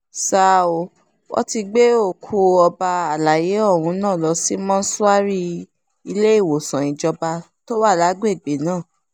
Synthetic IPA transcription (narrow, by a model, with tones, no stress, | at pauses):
sa˦˨o˨ | wɔ̰˦ti˧ɡ͡be˦o˦˨kʰu˧˦ɔ˧ba˧a˨la˨je˨˦ɔ˦˨wũ˧nãː˦˨lɔ˧si˦mɔ̃˦n̩˦su˦a˦ɾi˦ | i˧le˦i˦˨wo˨sã˨ĩ˨d͡ʒɔ˧ba˧ | to˦wa˦˨la˨˦ɡ͡be˦˨ɡ͡be˨˦nãː˦˨